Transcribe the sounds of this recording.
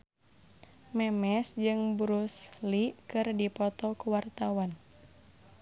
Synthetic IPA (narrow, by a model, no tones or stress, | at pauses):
mɛmɛsd͡ʒɨŋbɾuslikɨrdipɔt̪ɔkuwart̪awan